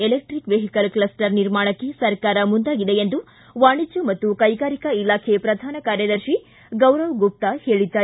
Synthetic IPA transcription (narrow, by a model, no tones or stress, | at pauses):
elek̚ʈɾikʋeɦikɐlklɐsʈɐɾniɾmaːɳɐkːesɐɾkaːɾɐmund̪aːɡid̪e̞end̪u | ʋaːɳid͡ʒumɐt̪ːukɐjɡaːɾikɐilaːkʰepɾɐd̪ʱaːnɐkaːɾjɐd̪ɐɾʃi | ɡɐwɾɐʋɡup̚t̪ɐhe̞ːɭid̪ːaː